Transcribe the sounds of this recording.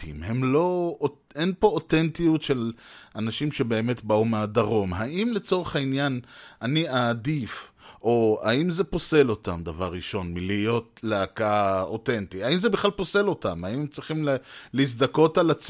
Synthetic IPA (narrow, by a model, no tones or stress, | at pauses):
ḭmhe̞mlo̞ | enpo̞otentijutʃe̞lanaʃimʃebe̞ːme̞tbaumeadaʁo̞mɦaʔimle̞t͡so̞ʁeχainjananiaːd̪if | ʔo̞a̰imze̞po̞se̞lo̞tamd̪avaʁːiʃo̞nmilijo̞tleakaote̞ntiaimzebiχlalpo̞se̞lo̞tamaimemt͡sʁiχimlis̬d̪ako̞talat͡s